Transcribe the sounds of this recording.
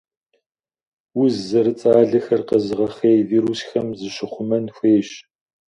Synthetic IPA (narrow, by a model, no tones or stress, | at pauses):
ʊzzɐɾɨt͡sʼaːɮɐxɐrqəzɨʁɐχeːjviːɾusxɐmzɨɕɪχʷʊmɐnxʷeːɕ